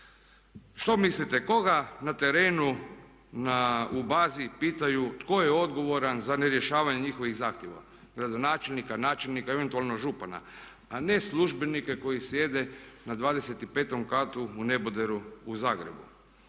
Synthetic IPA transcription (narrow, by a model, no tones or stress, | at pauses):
ʃt̪o̞mislit̪e̞ko̞ɡanat̪e̞ɾeːnu | naubaːzipiːt̪ajut̪ko̞jeo̞d̪ɡo̞ʋo̞ɾanzaneɾje̞ʃaːʋaɲeɲixo̞ʋiɣzaːxt̪ʲjeʋa̰ | ɡɾad̪o̞naːt͡ʃe̞lnikanaːt͡ʃelnikaeʋe̞nt̪uaːlˠnoʒupana̰ | ane̞slˠuʒbe̞nike̞ko̞jisje̞d̪e̞nad̪ʋaːd̪e̞set̪ipe̞ːt̪o̞mkat̪uune̞bod̪eɾuuzaːɡɾḛbṵ